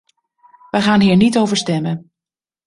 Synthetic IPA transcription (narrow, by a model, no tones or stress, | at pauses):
ʋəχaːnɦiːɹnitowvəɹstɛmən